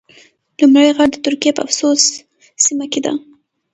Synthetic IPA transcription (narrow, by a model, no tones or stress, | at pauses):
lumɽəjɣaɽ̚d̪ət̪ʊɾkijepə̰a̰fsosː | imaked̪a̰